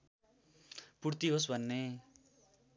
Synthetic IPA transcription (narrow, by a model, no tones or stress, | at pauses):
puɽt̪iɦosbʱʌnːe